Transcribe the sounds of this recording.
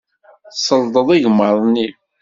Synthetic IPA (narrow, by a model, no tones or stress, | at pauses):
səld̪ˤəðˤiʝməɾˤni